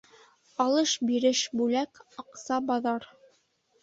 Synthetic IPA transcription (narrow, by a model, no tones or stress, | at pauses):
ɑlˠɤʃbiɾɘʃbʉlækɑqsɑbɑðɑɾ